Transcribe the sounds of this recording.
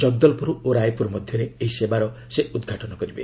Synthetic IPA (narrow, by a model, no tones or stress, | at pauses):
d͡ʒɔɡ̚d̪ɔlpuɾuoɾajpuɾmɔd̪ʱjɔɾeeɦisebaɾɔseud̪ɡʱaʈɔnɔkɔɾibḛ